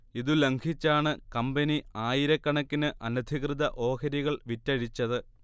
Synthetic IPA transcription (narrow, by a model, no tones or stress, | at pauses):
iðule̞ŋɡʰʱit͡ɕːaːɳɨkɐmbɐniaːjiɾɐkːɐɳɐkːinɨʔɐnɐd̪ʱiɣrɨðɐʔo̞ːkɐɾiɣɐɭʋitːɐɻit͡ɕːɐðɨ